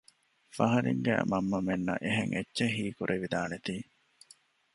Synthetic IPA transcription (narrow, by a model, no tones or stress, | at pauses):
fɐɦɐɾḭŋɡæ̰ːmɐmːɐmenːɐ̰ʔeɦeŋʔetːʃeɦiːkuɾʔeʋid̪aːnet̪iː